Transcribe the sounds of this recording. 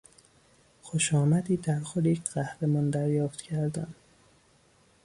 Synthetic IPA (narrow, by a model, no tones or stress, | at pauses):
xoʃɒːmæd̪iːd̪æɾxod̪ejecʰɢ̥æhɾemɒːnd̪æɾjɒːft̪cʰæɾd̪æn